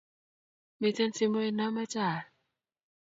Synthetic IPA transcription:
mi˧˨ta˧˨nsi˧mɯ˧i˧nːa˦˥˦ma˧˦t͡ɕaː˨˩

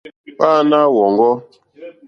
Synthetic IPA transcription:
k͡paː˦na˦wɔ˨ŋɡɔ˦

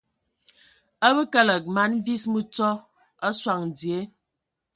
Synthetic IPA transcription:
ə˦bə˦kə˦lə˨k̚ma˨˦n˦vi˦smə˦t͡sɔ˦ | ə˦swa˨ŋn˨d͡zje˨˦

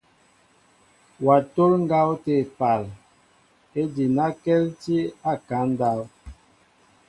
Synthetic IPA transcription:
wa˨to˦lŋ˦ɡa˦wte˨pa˨l | e˦di˨na˦kɛ˦lti˦a˦˨ka˨˦n˦da˦w

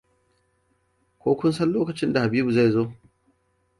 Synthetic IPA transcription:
kʷoː˦kʷʊ˦nsɐ˦nloː˦kɐ˨t͡ʃɪ˦nda˨ha˨biː˦bu˨za˦˨jzoː˦

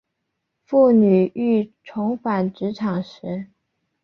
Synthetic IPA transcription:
fu˥˩ny˨˩y˥˩ʈ͡ʂʰʊ˧˥ŋfa˨˩nʈ͡ʂɻ̩˧˥ʈ͡ʂʰɑ˨˩ŋʂɻ̩˧˥

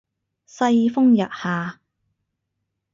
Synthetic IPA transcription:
sɐ˧jfʊ˥ŋjɐ̰˨t̚haː˨

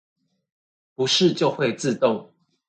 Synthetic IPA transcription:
pu˨˦ʂɻ̩˥˨t͡ɕjo˥˨ʊxwe˥˨ɪt͡sɹ̩˥˨t̪ʊ˥˨ŋ

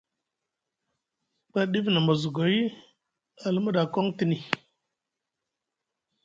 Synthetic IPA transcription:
k͡pa˦ɗi˦fna˨mə˨zu˨ɡo˨˦i˦ | a˨lmə˦ɗa˨ko˦ŋti˦ni˨

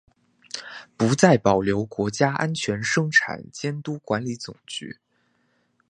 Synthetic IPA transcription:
pu˧˥t͡sa˥˩ɪpɑ˨˩ʊljo˧˥ʊkwɔ˧˥t͡ɕja˥ʔa̰˥nt͡ɕʰɥɛ˧˥nʂɤ˥ŋʈ͡ʂʰa̰˨˩nt͡ɕjɛ˥nt̪u˥kwa˧˥nli˧˥t͡sʊ˨˩ŋt͡ɕy̰˧˥

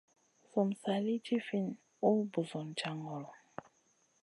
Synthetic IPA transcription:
sɔ˨m̩˨sa˨li˦t͡ʃi˦fi˦n | o˦bu˨zɔ˨n̩˨t͡ʃa˦ŋɡɔ˨lɔ˨

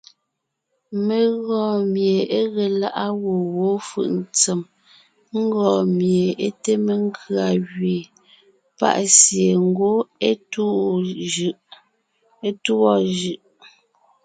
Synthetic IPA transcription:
me˨ɣɔ˨mje˨e˦ɣe˨la˦ʔa˦wo˨wo˨˦fɯ̰˦˨ʔn̩˦t͡sɛ˨m | ŋ̩˦ɡɔː˨mje˨e˦te˦me˨ŋ˦kʰɰa˨ɣɥe˨ | pa̰˦˨ʔsje˨ŋ˦ɡo˦e˦tu˦˨ | ʔ | e˦tu˦ɔ˦ʒʉ˨ʔ

